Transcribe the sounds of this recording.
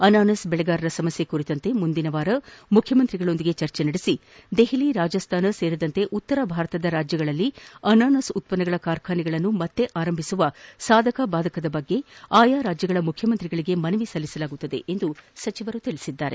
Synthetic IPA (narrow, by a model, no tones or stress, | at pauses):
ɐnaːnɐsbɛɭɛɡaːɾɐɾɐsɐmɐsje̞kuɾit̪ɐnt̪e̞mund̪inɐʋaːɾɐmukʰjɐmɐnt̪ɾiɡɐɭo̞nd̪iɡe̞t͡ʃɐɾt͡ʃenɐɽisi | d̪eɦiliɾaːd͡ʒɐst̪ʰaːnɐse̞ːɾid̪ɐnt̪e̞ʔut̪ːɐɾɐbʱaːɾɐt̪ɐd̪ɐɾaːd͡ʒjɐɡɐɭɐlːiɐnaːnɐsut̪̚pɐnɐɡɐɭɐkaːɾkʰaːniɡɐɭɐnːumɐt̪ːe̞ʔaːɾɐmbʱisuʋɐsaːd̪ʱɐkabaːd̪ʱɐkɐd̪ɐbɐɡːe̞aːjaːɾaːd͡ʒjɐɡɐɭɐmukʰjɐmɐnt̪ɾiɡɐɭiɡe̞mɐnɐʋisɐlːisɐlaːɡut̪ːɐd̪e̞̰ʔend̪usɐt͡ʃiʋɐɾut̪iɭisid̪ːaːɾe̞